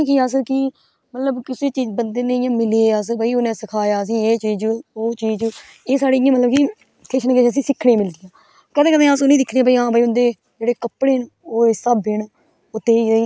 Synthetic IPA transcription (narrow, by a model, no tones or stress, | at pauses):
kiːəskiː | mət̪ləbkɪseːt͡ʃiːd͡ʒbənd̪eːneːɪjãːmɪleːəs̬bəiːonẽːsəkʰaːjaːəs̬ĩːeːt͡ʃiːd͡ʒoːt͡ʃiːd͡ʒ | eːsaːɽeːɪjãːmət̪ləbkiː | t̪ʰeːʃʰnːkeʃəs̬ĩːsɪkʰːɽẽːmɪld̪ijãː | kɛːd̪ẽːkəd̪ẽːəsʊnĩːd̪ɪkʰːɾẽːbəiːãːbəiːʊnd̪eː | d͡ʒeːɽeːkəpːɽeːɦn | oːesaːbːɪɳ | ʊt̪ːeːiːĩ